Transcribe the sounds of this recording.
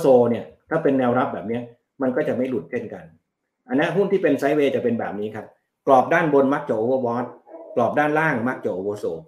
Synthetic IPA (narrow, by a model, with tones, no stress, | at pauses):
soː˧ni˥˩ɐt̪ʰaː˥˩pe˧nːɛː˧wɾa˦˥p̚bɛː˨˩p̚ni˦˥ɐ | ma˧nkɔː˥˩t͡ɕa˨˩ma˥˩jlu˨˩t̪̚t͡ɕʰe˥˩nka˧n | ʔa˧nːi˦˥ɦu˥˩nt̪ʰiː˥˩pe˧nsa˦˥jweː˧t͡ɕa˨˩pe˧nbɛː˨˩p̚niː˦˥kʰa˦˥p̚ | klɔː˨˩p̚daː˥˩nbo˧nma˦˥k̚t͡ɕaː˨˩ʔoː˧wɔː˧wɔː˦˥t̪̚klɔː˨˩p̚daː˥˩nlaː˥˩ŋma˦˥k̚t͡ɕaː˨˩ʔoː˧woː˧soː˧